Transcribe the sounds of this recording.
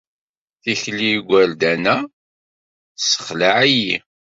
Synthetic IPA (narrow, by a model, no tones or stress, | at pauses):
θiçlːiɡʷæld̪ænæ | sə̥χlaʕæji